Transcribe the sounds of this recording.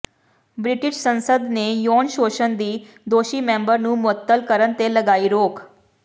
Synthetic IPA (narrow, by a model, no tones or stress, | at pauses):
bɾɪʈɪʃsə̃nsəd̪neːjoːnʃoːʃənd̪iː | d̪oːʃiːmẽːmbəɾnũːmʊət̪ːəlkəɾənt̪eləɡaːiːɾoːk